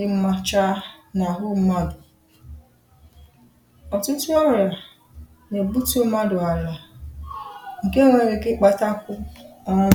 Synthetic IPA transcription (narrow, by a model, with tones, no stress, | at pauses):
ɪ˦m̩˦ma˦t͡ʃa˦na˨ɦʊ˦m̩˦ma˦dʊ˨ | ɔ˨tʊ˦tʊ˦ɔ˦ɾa˨ | ne˨bu˦tu˦o˦ma˦dʊ˨a˨la˨ | ŋ̩˨ke˦ŋʷe˨ɾe˨kɪ˦k͡pa˦ta˦kʷʊ˦ɔ˦